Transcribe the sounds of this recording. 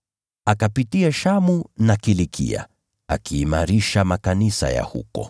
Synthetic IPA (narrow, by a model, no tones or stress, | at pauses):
akapitiaʃamunakilikʰḭa̰ | a̰kiːmaɾiʃamakanisa̰ja̰hṵkɔ̰